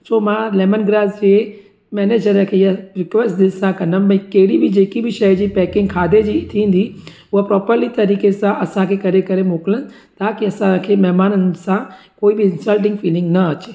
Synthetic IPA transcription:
soːmãlɛːmənɡɾaːd͡ʒd͡ʒe | mɛːneːd͡ʒəɾə̃kʰejaɾɪkʋesʈd̪ɪsãkɐnənbɐ̃ĩkeɽibʱid͡ʒeːkibʱɪʃəd͡ʑipɛːkɪ̃ŋɡkʰaːd̪ed͡ʒit̪ʰĩːnd̪i | ʊɦapɾɔːpəɾlit̪ɐɾiːkesãʔɐsãkʰekɐɾekɐɾemoːklən | t̪aːkiɐsãkʰemɛɦmaːnənsãkoːibʱiɪnsəlʈɪ̃ŋɡfiːlɪ̃ŋɡnɐɐt͡ʃeː

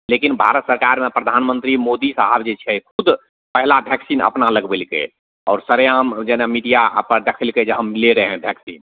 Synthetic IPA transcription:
lekinbʱa̰ɾət̪səɾkaːɾmẽpɾəd̪ʱaːnmə̃nt̪ɾimoːd̪isaɦəbd͡ʒet͡ʃʰɛkʰʊd̪ | pəɦlabʱjɛksiːnə̰pnaləɡbelkḛ | ɔːɾsəɾjamd͡ʒɛnamiɖijaə̰pəd̪əkʰəlked͡ʒeɦəmleɾəɦɛ̃bʱjɛksiːn

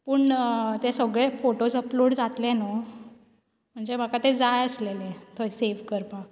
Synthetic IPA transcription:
puːɳt̪esəɡɭefoʈod͡zəploɽd͡zat̪lẽno | m̤əɳd͡zem̤akat̪ed͡zajəslelẽt̪ʰojseʋkəɾpa

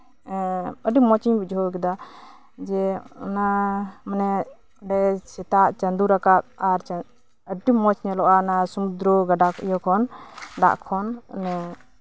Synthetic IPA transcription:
əɖimɔt͡ʃiɲbid͡ʒʱɔkɛd̪a | d͡ʒɛɔ̰namanɛ | ɖɛsɛt̪aʔt͡ʃənd̪uɾakat̪̚aɾ | əɖimɔt͡ʃɲɛlɔʔanasumud̪ɾɔɡaɖakɔjɔkʰɔnɖa̰ʔkʰɔnnɛ

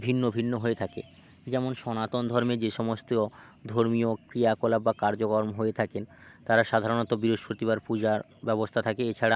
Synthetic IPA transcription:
bʱinːobʱinːoɦoet̪ʰakḛ | d͡ʑɛmonʃɔnat̪ond̪ʱɔɾmed͡ʑeʃɔmost̪od̪ʱoɾmiokɾijakolabbakaɾd͡ʑokoɾmɦoet̪ʰakent̪aɾaʃad̪ʱaɾonot̪obiɾoʃpɾot̪iβaɾpud͡ʑa | bɛbost̪ʰat̪ʰakeet͡ɕʰaɽa

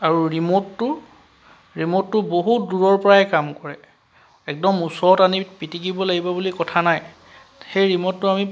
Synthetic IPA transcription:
aɹuɹimotːʊ | ɹimotːʊboɦut̚duɹɔɹpɔɹaɛkamkɔɹɛ | ɛk̚dɔmusɔtanipitikibɔlaɡibɔbulikɔtʰanaj | xejɹimɔtːʊami

